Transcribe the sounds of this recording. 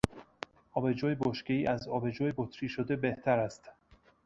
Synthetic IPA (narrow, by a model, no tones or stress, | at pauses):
ʔɒːbe̞d͡ʒɒːjeboʃkeiːʔæzɒːbed͡ʒɒːjebot̪ʰɾiːʃod̪ebeht̪ʰæɾæst̪